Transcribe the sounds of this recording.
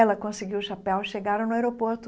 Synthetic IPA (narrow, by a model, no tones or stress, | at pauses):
ɛlɐkõsɪɡiwʃapɛwiʃeɡaɾɐ̃w̃nʊaeɾopoɾt̪ʊ